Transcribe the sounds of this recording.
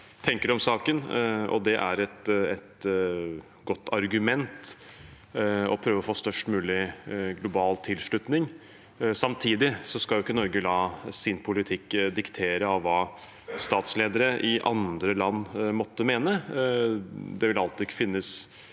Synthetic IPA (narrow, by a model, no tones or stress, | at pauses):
t̪ʰɛŋkəɖ̪ɔmsɑːkənɔ̰d̪ɛʔæ̰ɾɛt̪ɛt̪ | ɡɔt̪ːɑɾɡʉmɛnt̪ | ɔpʰɾøːʋəɔfoːst̪œʂʈmʉːlɪɡlʊbɑːlt̪ʰɪlʂɭʉt̪nɪŋ | sɑmt̪ʰiːd̪ɪsɔskɑljʊɪkːənɔɾɡəlɑːsɪnpʰʊlɪt̪ʰɪkːd̪ɪkt̪ʰeːɾəɑʋːɑː | st̪ɑːt̪sleːd̪əɾəʔɪʔɑ̰nd̪ɾəlɑnːmɔt̪ːəmeːnə | d̪ɛʋɪlɑlt̪ɪɪkːəfɪnːəs